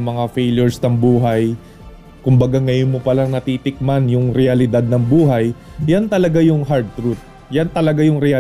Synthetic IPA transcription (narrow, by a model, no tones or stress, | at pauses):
mɐŋafejljʊɹsnɐŋbuːɦaj | kʊmbɐɡaŋɐjonmopɐlaŋnɐt̪iːt̪ɪk̚manjʊŋɾɛɐlɪd̪ad̪̚nɐŋbuːɦaj | jant̪ɐlɐɡajʊŋɦaɾd̪̚t̪ɾut̪̚ | jant̪ɐlɐɡajʊŋɾɛʔɐ